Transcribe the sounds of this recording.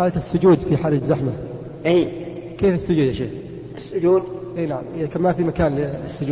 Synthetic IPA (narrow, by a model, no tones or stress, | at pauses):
aːlaɪsːʊd͡ʒuːd̪fiħaːlazːaħma | ʔiː | keːfɪsːʊd͡ʒuːd̪ʔaʃeː | ʔɪsːʊd͡ʒuːd̪ʔeːnaʕamʔɪðakanmafimakaːnlɪsːʊd͡ʒuː